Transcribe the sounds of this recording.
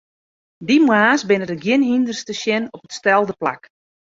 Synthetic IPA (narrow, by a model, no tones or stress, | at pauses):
dimwaːsbɪnədəɡjɪnɦindərstəʃjɪnɔpətstɛlˠdəpla̰k